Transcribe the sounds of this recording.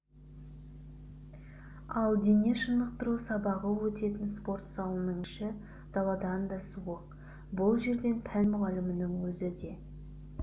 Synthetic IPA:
ɑlˠd̪eneʃənəq̚t̪əɾusɑbɑʁəwɵt̪e̞t̪ɪnspo̞rt̪sɑlˠənəɴɪʃɪ | d̪̥ɑlˠɑd̪ɑnd̪ɑsuəq̚ | bʊlˠʒe̞ɾd̪e̞npʰænmʊʁɑlɪmɪnɪŋwɵzɪd̪e̞

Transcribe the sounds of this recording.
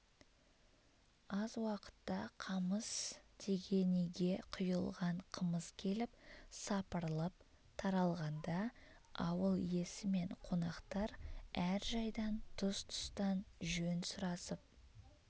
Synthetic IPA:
ɑzwɑqə̥t̪ːɑqʰɑməst̪ʰe̞ɡʲe̞niɡʲe̞qʰʊjəlˠʁɑɴqʰəməskʲʰe̞lɪpsɑpəɾlˠəp̚ | t̪ʰɑɾɑlˠʁɑnd̪ɑ | ɑwəlˠje̞sɪme̞ɴqʰo̞nɑqt̪ɑɾæɾʒɑjd̪ɑnt̪ʰʊst̪ʰʊ̥st̪ɑnʒønsʊɾɑsəp̚

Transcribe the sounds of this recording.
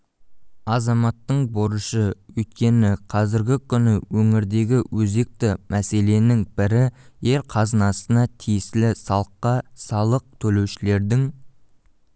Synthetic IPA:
ɑzɑmɑt̪ːəɴboɾəʃəwɵjt̪̚kʲe̞nɪqʰɑzɪɾɡʲɪkʲʰʏnɪwɵŋɪɾd̪e̞ɡʲɪwɵze̞k̚t̪ɪmʔæse̞le̞nɪŋb̥ɪɾɪje̞ɾqʰɑzənɑsənɑt̪ʰijɪslɪsɑlˠəqːɑsɑlˠəq̚t̪ʰɵle̞wʃɪle̞ɾd̪ɪŋ

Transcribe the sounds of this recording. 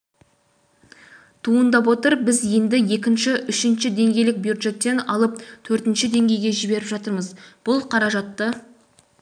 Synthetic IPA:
t̪ʰuənd̪ɑpwo̞t̪əɾbɪzje̞nd̪ɪje̞kʲɪnʃɪʔʏʃɪnʃɪd̪e̞ŋɡʲe̞jlɪk̚bjud̪ʒe̞t̪ːe̞nɑ̰lˠəp̚t̪ʰɵɾt̪ɪnʃɪd̪e̞ŋɡʲe̞jɡʲe̞ʒɪbe̞ɾɪpʒɑt̪əɾməzb̥ʊlˠqʰɑɾɑʒɑt̪ːə

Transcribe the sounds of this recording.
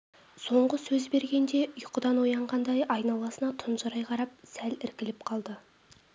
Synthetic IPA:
so̞ɴʁəsɵzbe̞ɾɡʲe̞nd̪e̞jʊqəd̪ɑnwojɑɴʁɑnd̪ɑjɑjnɑlˠɑsənɑt̪ʰʊnʒɑɾɑjqʰɑɾɑp̚sælɪɾkʲɪlɪp̚qʰɑlˠd̪ə

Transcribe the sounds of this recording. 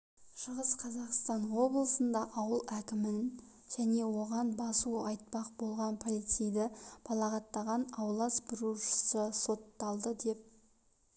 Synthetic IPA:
ʃəʁəsqʰɑzɑqst̪ɑnwo̞blˠəsənd̪ɑʔɑwəlˠækʲɪmɪn | ʒ̥æne̞wo̞ʁɑnbɑsuɑjt̪̚pɑq̚bo̞lˠʁɑnpʰolˠijt̪sijd̪ɪb̥ʰɑlˠɑʁɑt̪ːɑʁɑnɑwlˠɑsbɪɾuʃə̥səso̞t̪ːɑlˠd̪əd̪e̞p̚

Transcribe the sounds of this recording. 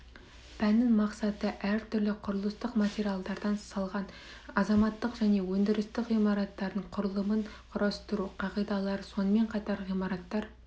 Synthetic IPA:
pʰænɪŋmɑqsɑt̪əʔæɾt̪ʰʏɾlɪqʰʊɾəlˠəst̪əqmat̪ʲeɾijalˠd̪ɑɾd̪ɑnsɑlˠʁɑn | ɑzɑmɑt̪ːəqʒæne̞wɵnd̪ɪɾɪst̪ɪqʁijmɑɾɑt̪ːɑɾd̪əɴqʰʊɾəlˠəməɴqʰʊɾʔɑst̪əɾuqʰɑʁijd̪ɑlˠɑɾəso̞nəme̞ɴqʰɑt̪ɑɾʁijmɑɾɑt̪ːɑɾ

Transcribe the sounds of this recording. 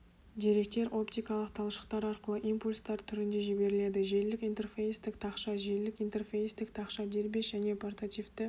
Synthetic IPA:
d̪e̞ɾe̞k̚t̪e̞ɾʔo̞pt̪ijkɑlˠəqt̪ʰɑlˠəʃə̥qt̪ɑɾɑɾqəlˠəʔimpulʲst̪ɑɾt̪ʰʏɾɪnd̪e̞ʒibe̞ɾɪle̞d̪ɪʒe̞ɾlɪkijnt̪e̞rfejst̪ɪkt̪ʰɑqʃɑʒe̞lɪkijnt̪e̞rfejst̪ɪkt̪ʰɑqʃɑd̪e̞ɾbe̞ʒæne̞pʰort̪at̪ift̪ɪ

